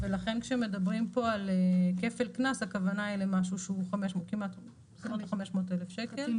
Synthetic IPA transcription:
velaχenkʃeemːe̞d̪abʁimpo̞aleke̞felknasakavanailemaʃuʃeuχameʃmokimat̪ | smot̪χameʃmoːtelefʃeke̞l

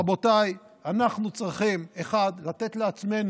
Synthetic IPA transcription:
abo̞taj | anaχnut͡sʁiχime̞χadlat̪e̞t̪leat͡sme̞n

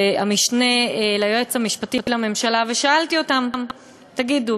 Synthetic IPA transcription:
amiʃne̞lajoet͡shamiʃpatitilame̞mʃalaveʃaalt̪io̞tamm | t̪aɡid̪u

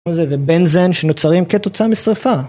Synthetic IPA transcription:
ezevebenzenʃenot͡saʁimket̪o̞t͡samisʁifa

